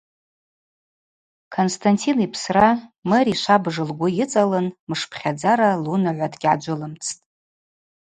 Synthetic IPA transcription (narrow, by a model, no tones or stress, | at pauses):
kʰonstʰantʰinipʰsramɨɾiʃʷabʐɨlɡʷʊjɪt͡sʼalɨnmɨʂpʰχʲad͡zaɾalunaʕʷadɡʲʕad͡ʒʷʊlɨmt͡sʰtʼ